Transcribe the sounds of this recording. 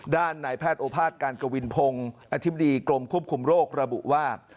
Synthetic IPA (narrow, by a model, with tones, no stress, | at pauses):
daː˥˩nːaː˩˦jpʰɛː˥˩t̪̚ʔoː˧˩pʰaː˥˩t̪̚kaː˧nka˧wi˧npʰo˧ŋʔa˧t̪ʰi˦˥ba˧diː˧klo˧mkʰu˥˩əp̚kʰu˧mɾoː˥˩k̚ɾa˧bṵ˨˩ʔwaː˥˩